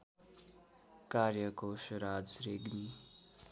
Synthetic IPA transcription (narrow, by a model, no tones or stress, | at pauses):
kaːɾjəkoːʃɾaːd͡zɾeɡmi